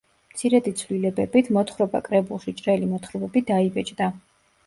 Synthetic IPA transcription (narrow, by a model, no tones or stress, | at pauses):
mt̪sʰiɾɛd̪it̪sʰvlilɛbɛbit̪ʰmɔt̪χɾɔba̰kʼɾɛbulˠʃit͡ʃʼɾɛlimɔt̪ʰχɾɔbɛbid̪aibɛt͡ʃʼd̪a